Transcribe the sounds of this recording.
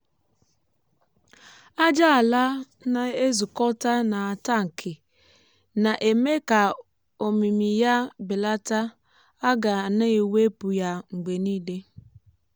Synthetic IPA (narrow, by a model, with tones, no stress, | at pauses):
a˦d͡ʒa˦a˨la˦ | na˨e˦zu˨kɔ˦ta˦na˨a˨ta˦ŋ̩˨kʰɪ˨ | na˨ʔe˨me˦ka˨ | o˨mi˨mi˨ja˦bɪ˨la˦ta˦ | a˦ɡa˨na˦e˨we˦pu˨ja˦ŋ̩˨ɡ͡be˨niː˦de˦